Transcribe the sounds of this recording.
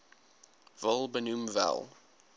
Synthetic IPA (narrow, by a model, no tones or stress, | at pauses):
vəlˠbənumvɛ̰lˠ